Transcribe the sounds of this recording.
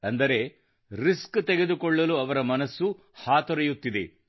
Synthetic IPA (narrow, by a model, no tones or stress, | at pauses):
ɐnd̪ɐɾe̞ | ɾiskt̪eɡe̞d̪ukɔɭːɐluɐʋɐɾɐmɐnɐsːu | haːt̪ɔɾɐjut̪ːid̪e̞̰